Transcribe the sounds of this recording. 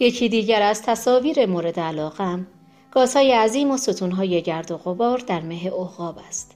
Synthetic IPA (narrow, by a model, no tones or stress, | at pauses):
je̞cʰiːd̪iːɟæɾæz̥t̪ʰæsɒːviːɾe̞moɾe̞d̪eælɒːɣæm | ɡ̥ɒːz̥hɒːje̞æziːmo̞sot̪ʰunɦɒːje̞ɟæɾd̪oɣobɒːɾd̪æɾmeɦeʔohɣɒːbæst̪